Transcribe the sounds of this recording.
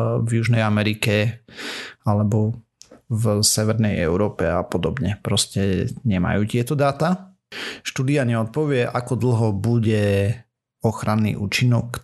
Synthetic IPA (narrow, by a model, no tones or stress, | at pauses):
vjuʒnɛjamɛɾikɛ | alɛbɔ | vsɛʋɛɾnɛjɛ̰ʊɾɔːpɛapɔd̪ɔbɲɛpɾɔscɛɲɛma̰juːt̪ɪɛt̪ɔd̪aːt̪a | ʃt̪uːd̪iaɲɛɔt̪̚pɔʋɪɛʔakɔd̪l̩ɦɔbuɟɛ | ɔxɾʔanːḭːʔṵːt͡ʃinɔk